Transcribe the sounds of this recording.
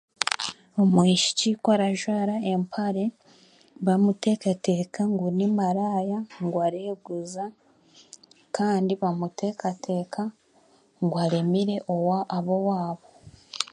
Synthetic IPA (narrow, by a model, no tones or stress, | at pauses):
omwiːʃi̥cikwaɾaʒwaːɾaempʰaɾe̞ | βamute̞ːkate̞ːkaŋɡunimaɾaːjaŋɡwaɾeːɡuza | kʰaːndiβamutʰe̞ːkatʰe̞ːkʰa | ŋɡwaɾe̞miɾe̞ʔowaʔːβo̞waːβo̞